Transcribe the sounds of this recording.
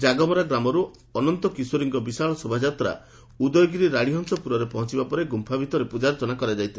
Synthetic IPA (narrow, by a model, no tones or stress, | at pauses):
d͡ʒaɡɔmɔɾaɡɾamɔɾu | ɔnɔnt̪ɔkisuɾiŋɡɔbisaɭɔsobʱad͡ʒat̪ɾa̰ | ud̪ɔjɔɡiɾiɾaɽ̃iɦɔŋsɔpuɾɔɾepɔɦɔ̃nt͡ʃibapɔɾeɡumpʰabʱit̪ɔɾepud͡ʒaɾt̪ɔnakɔɾad͡ʒajt̪ʰi